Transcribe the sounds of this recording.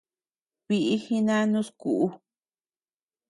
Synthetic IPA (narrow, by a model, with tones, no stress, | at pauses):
βi˧ʔi˦hi˧˦nã˦nũ˦sku˨ʔu˦